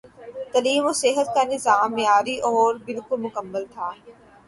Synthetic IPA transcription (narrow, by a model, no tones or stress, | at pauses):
t̪ɐliːmoseɦət̪kanɪzaːmːjaːɾiʔɔːɾbɪlkʊlmʊkəmːəlt̪ʰaː